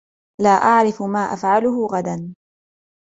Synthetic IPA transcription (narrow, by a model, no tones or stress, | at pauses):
laːʔaʕɾɪfʊmaːʔa̰fʕalʊɦʊɣad̪an